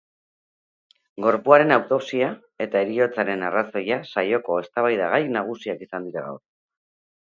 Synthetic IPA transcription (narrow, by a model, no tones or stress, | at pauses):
ɡo̞ɾpuaɾe̞nawt̪o̞psia | e̞t̪ae̞ɾio̞t͡saɾe̞naraso̞jasajo̞ko̞e̞st̪aβ̞ajðaɣajnaɣ̞usiakisand̪iɾaɣa̰wɾ